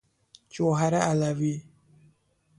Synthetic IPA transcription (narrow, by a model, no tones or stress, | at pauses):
t͡ʃoɦaɾaalavi